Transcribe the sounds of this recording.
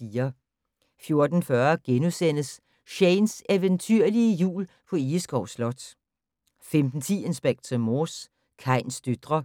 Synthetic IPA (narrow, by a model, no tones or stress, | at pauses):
iːɐ | fjo̝ɐd̥n̩fɶɐɡ̥enusen̰əs | ɕɛɪnseʋənt͡sʰyɐ̰liəjṵːl | pʰɒ̽isɡ̥ɒʊslɒ̽d̥ | femd̥n̩t͡sʰḭːe̝nsb̥eɡ̥̚t͡sʰɐmoːs | kʰɑ̈ɪ̰nsd̥ød̥ʁɐ